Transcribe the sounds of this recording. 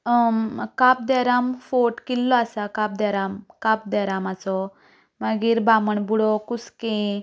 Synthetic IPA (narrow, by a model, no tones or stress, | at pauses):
kap̚d̪ɛɾamfoʈkilːɔasakap̚d̪ɛɾamkap̚d̪ɛɾamat͡sɔ | məɡiːɾbaməɳbuɽɔkuskẽ